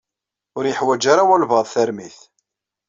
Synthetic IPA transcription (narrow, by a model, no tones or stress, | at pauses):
ʊɾjəħwæd͡ʒaɾawælvəðˤθæɾmiθ